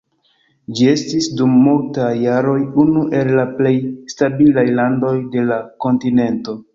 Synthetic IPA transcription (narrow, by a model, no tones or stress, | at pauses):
d͡ʒie̞stisdumːultajːaɾo̞junuʔe̞lːaple̞jstabilajlando̞jde̞lako̞ntine̞nto̞